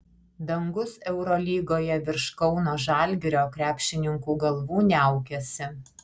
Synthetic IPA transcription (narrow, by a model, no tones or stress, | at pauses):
d̪ɐŋɡʊsɛʊɾoːlʲiːɡoːjɛʋʲɪɾʃkɒʊnoːʒɑːˑlʲɡʲɪɾʲoːkɾʲæːpʲʃʲɪnʲɪŋkuːɡɐlˠʋuːnʲæˑʊkʲɛsʲɪ